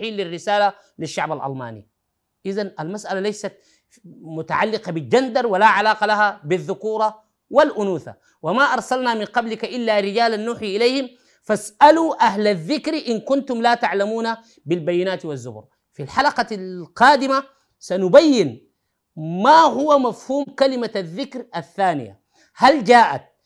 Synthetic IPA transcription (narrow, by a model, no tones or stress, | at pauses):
ħiːlːirːɪsaːla | liʃːa̰ʕbalʔɑ̰lma̰ːnḭ | ʔɪzanʔalmasʔalalajsat̪ | mʊt̪a̰ʕalːɪqɑbild͡ʒand̪ɑɾˤwalaʕalaːqɑlaɦabiðːʊkuːɾˤɑ | walʔʊnuːθa̰ | wamaʔɑɾˤsalnamɪnqɑblikaʔɪlːaɾɪd͡ʒaːlanːuːħiʔɪlejhim | fasʔaluːʔaɦlaðːɪkɾʔɪnkunt̪umlaːt̪aʕlamuːna | bilbajːɪnaːt̪wazːʊ̰bɾ | filħalɑqɑlqɑːd̪ima | sanubajːɪn | maɦuwamafhuːmkalimaaðːɪkɾaθːaːnḭja̰ | hald͡ʒaːʔa̰t̪̚